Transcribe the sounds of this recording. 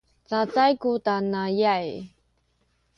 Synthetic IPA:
t͡sat͡sajkutanajaj

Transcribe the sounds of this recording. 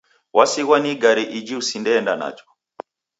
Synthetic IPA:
wasiɣwaniɡaɾiʔid͡ʒiusindɛːndana̰d͡ʒɔ̥

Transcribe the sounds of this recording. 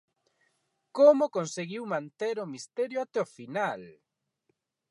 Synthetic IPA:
komʊkonseɣiwmãnt̪eɾʊmist̪eɾjoat̪ɛofinal

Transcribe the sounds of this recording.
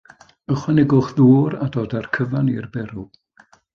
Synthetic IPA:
əχwɛnɛɡʊχðuːɾadoːdarkʰəvanirbɛɾu

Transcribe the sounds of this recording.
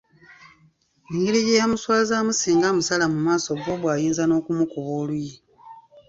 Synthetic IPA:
iŋɡiɾijejamuswaːzaːmusiːŋɡamusalamumaːso̞ɡoβwaːjiːnzano̞ːkumukuβoːluji

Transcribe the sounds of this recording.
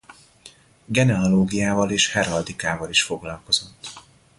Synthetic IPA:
ɡɛnɛɒloːɡijaːvɒleːʃhɛɾɒd̪ikaːvɒliʃfo̞ɡlɒlko̞z̥o̞t̪ː

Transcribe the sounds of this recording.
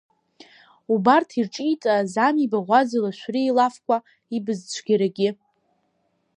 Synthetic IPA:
ubartʰirʈ͡ʂʼitʼazamibaʁʷazalaʃʷᶣriːlafkʷʰʼa | ibɨzt͡ɕʷʰɡʲiɾaɡʲɪ

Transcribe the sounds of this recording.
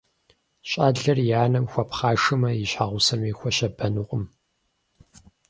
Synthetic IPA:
ɕʼaːɮɐrjaːnɐmxʷɐpχaːʂɨmɐjɪɕħaːʁʷʊsɐmiːxʷɔʃɐbɐnɨqʷʼʊm

